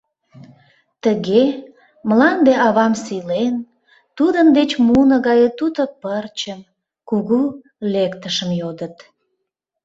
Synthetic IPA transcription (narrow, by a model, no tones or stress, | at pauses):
t̪əɣe | məlɑnd̪eʔɑβɑmsilen | t̪ud̪ənd̪et͡ɕmunəɣɑjət̪ut̪opərt͡ɕəm | kuɣu | lekt̪əʃəmjod̪ət̪